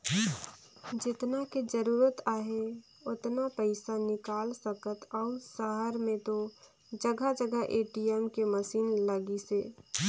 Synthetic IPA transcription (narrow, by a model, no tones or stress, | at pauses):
d͡ʒɪt̪naked͡ʒəɾuːɾət̪aːɦe | ʊt̪napəɪsanɪkaːlsəkət̪ɔːʊsəɦəɾmẽt̪o | d͡ʒəɡəd͡ʒəɡəɦʔeːʈiɛmkeməsiːnləɡiseː